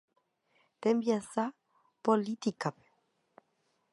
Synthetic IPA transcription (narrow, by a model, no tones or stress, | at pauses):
t̪embjasa | polit̪ikape̥